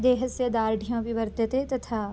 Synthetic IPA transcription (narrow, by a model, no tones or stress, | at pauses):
d̪eːɦəsjəd̪aːɾɖʱijõːbʱiʋɐɾd̪ət̪et̪ɐt̪ʰaː